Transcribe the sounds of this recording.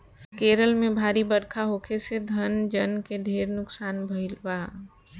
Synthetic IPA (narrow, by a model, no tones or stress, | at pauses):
keːɾəlmẽbʱaːɾibəɽkʰaɦoːkʰesed̪ʱənd͡ʒənkeɖʱeːɾnʊksaːnbʱəɪlbaː